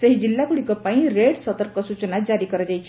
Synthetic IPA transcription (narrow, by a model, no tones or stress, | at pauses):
səɦid͡ʒilːakuɽikɔpaĩɾeɽsət̪əɾp̚kəsut͡ʃənad͡ʒaɾikəɾəd͡ʒajt͡ʃʰi